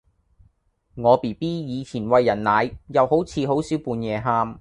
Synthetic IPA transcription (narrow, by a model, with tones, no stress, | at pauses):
ŋɔː˨˧piː˨˩piː˥jiː˨˧t͡sʰiː˨˩nwɐ˨˧jːɐ˨˩nːaː˨˧jjɐ˨˧who˨˥wt͡sʰiː˨˧ɦo˨˥wsiː˨˥wpuː˧njɛː˨˧ɦaː˧m